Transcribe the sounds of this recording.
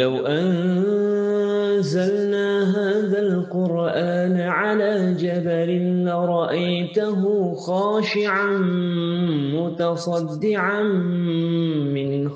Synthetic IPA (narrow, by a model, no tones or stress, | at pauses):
lawʔan | zalnaːɦaːðalqʊɾ | ʔaːn | ʕalaːd͡ʒabalɪnlaɾˤɑʔajt̪ʊɦʊxɑːʃɪʕan | mʊt̪ɑsˤɑd̪ːɪʕan | mɪn